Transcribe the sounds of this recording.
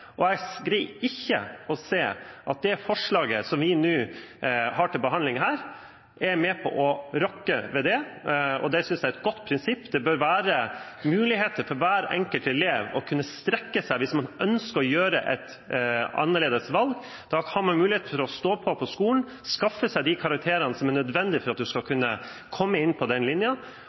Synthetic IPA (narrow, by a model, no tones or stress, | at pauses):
ʔɔæɡɡɾiːɪçːə̰ɔseːʔɑt̪̚d̪ɛfɔʂɭɑːɡə̰sɔmʋɪnʉː | hɑːʈɪlbəɦɑnlɪŋɦæːɾ | æɾmɛpʰɔ̰ʔɔɾɔkːəʋɛd̪ɛɔ̰d̪ɛsʏnsd̪ɛæɾɛt̪̚ɡɔt̪ːpʰɾɪnsɪpːd̪ɛbøɾʋæːɾə | mʉːlɪɦeːt̪əɾfɔɾʋæːɾɛ̰ŋkəlt̪ɛleːʋɔ̰kʰʉnːəst̪ɾɛkːəsæɪʋɪsmɑnʔœnskəɾɔjøːɾəʔɛ̰t̪ | ɑ̰nːəɭeːd̪əsʋɑlɡ | d̪ɑhɑːɾmɑnmʉːlɪeːt̪əfɔɾɔst̪oːpʰɔpʰɔskuːln̩ | skɑfːəsæɪd̪ɪkʰɑɾɑk̚t̪ʰeːɾənəsɔmæɾnœd̪ʋɛnd̪ɪfɔɾɑt̪̚d̪ʉskɑkʰʉnːə | kʰɔmːəɪnːpʰɔd̪ɛnlɪnjə